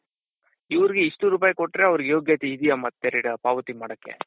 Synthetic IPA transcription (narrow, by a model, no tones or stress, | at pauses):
iʋɐɾiɡeiʂʈuɾuːpaːjɐkoʈːɾe̞ɐʋɐɾiɡejo̞ːɡjaːt̪iɦid̪ijɐmɐt̪ːeɾiɽɐpaːʋɐt̪imaːɽɐkːḛ